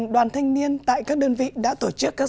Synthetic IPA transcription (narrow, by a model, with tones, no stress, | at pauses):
ɗwaː˨˩nt̪ʰa˧jŋ̟ni˧ənt̪a̰ː˧˨jkaː˦˥k̚ɗəː˧nvḭ˧˨ɗa̰ː˧˥t̪o˧˩t͡ɕɨ˦˥kːaː˦˥